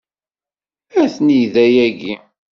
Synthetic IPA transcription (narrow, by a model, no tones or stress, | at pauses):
æθniðæjæɡi